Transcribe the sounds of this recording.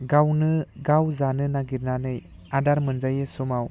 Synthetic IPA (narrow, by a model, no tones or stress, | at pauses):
ɡawnɯɡawzanɯnaɡiɾnanɯj | adaɾmɯnzajesumaw